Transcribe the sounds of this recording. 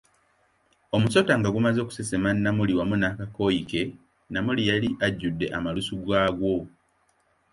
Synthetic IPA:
o̞muso̞taŋɡaɡumazo̞ːku̥sesemanːamuliwamunaːkako̞jike̞ | namulijaliʔaɟːudːe̞ʔamalusuɡaːɡwo̞

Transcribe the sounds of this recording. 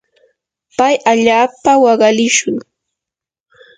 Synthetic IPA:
pajaʎaːpawɑɢɑlɪʃʊŋ

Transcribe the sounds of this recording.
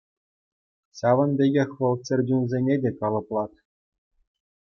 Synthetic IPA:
ɕɑʋɤ̆nbʲeɡʲexʲʋɤ̆lˠt͡sʲɘ̆rʲdʲunzʲenʲedʲekɑlˠɤ̆plˠɑt̪

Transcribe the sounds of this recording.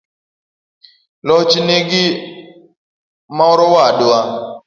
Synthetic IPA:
lɔt͡ʃineɡi | maɔɾɔwadʊa

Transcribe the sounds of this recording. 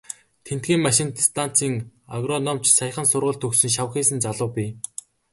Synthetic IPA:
t̪ʰen̥t̪̚ɡʲiːŋmaʃɪ̆nt̪st̪ʰan̥t͡siːŋaɣrɔnɔm̥t͡ɕsaj̆χə̆nsʊrʁə̆ɮɬt̪ʰɵxsɵ̆nʃ̬aw̆χiːsɘ̆nt͡saɮʊːpʲiː

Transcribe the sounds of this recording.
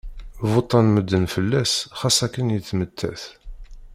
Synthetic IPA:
vot̪ˤːɑnməd̪ːənfəlːæsχɑsækːənjəθːmət̪ʰːæ̰θ

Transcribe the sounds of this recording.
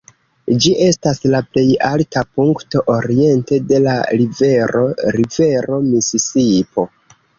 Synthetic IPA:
d͡ʒiʔe̞staslaple̞jaltapuŋkto̞ʔoɾie̞nte̞de̞la̰ɾive̞ɾo̞ɾive̞ɾo̞misisipo̞

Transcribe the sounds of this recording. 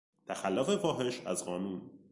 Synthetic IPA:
t̪ʰæxælːofe̞vɒːɦe̞ʃæ̰zɢɒːnuːn

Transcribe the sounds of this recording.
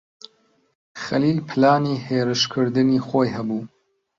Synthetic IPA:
xɐliːlpʰɨlaːniːheːɾɨʃkʰɨɾd̪ɨniːxoːjɦɐbuː

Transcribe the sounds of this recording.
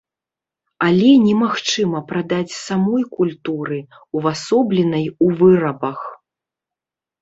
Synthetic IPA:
alʲɛnʲɛmaxt͡ʂɨmɐpɾad̪at͡sʲsamɔjkulʲt̪uɾɨ | uvasɔblʲɛnɐjuvɨɾɐbɐx

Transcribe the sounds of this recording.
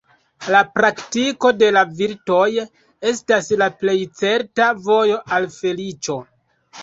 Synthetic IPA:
lapɾaktiko̞de̞laviɾto̞j | e̞staslaple̞jt͡se̞ɾtavo̞jo̞ʔalfe̞lit͡ʃo̞

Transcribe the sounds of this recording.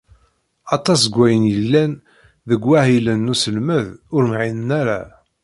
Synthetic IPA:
ɑt̪ˤɑs̬ɡʷːæjənjəlːæn | ðəɡʷːæhilənːusəlməðʊɾmʕinənæɾa̰

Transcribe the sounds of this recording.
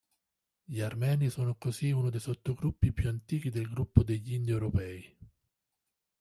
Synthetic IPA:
ʎiarmɛːnisoːnokoziunod̪ejsot̪ːoɡɾupːipjuant̪iːk̟id̪elɡɾupːod̪eʎːind̪iɛwɾopɛːi

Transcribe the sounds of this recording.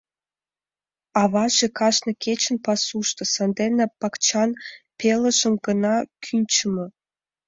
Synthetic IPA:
ɑβɑʒĕkɑʃnɤ̆kʲet͡ɕə̆npɑsuʃt̪ɤ̆sɑnd̪enepɑkt͡ɕɑnpelə̆ʒə̆mɡə̆nɑkʰynʲt͡ɕəmɤ̆

